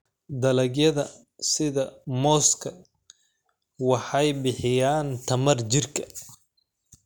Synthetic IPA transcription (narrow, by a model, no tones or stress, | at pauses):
d̪ɐlɐɡjɐðɐ | sɪðɐmɔːskʰɐ | wɑħɑjbɪħɪjaːnt̪ʰɐmɐrt͡ʃɪrkʰɐ̥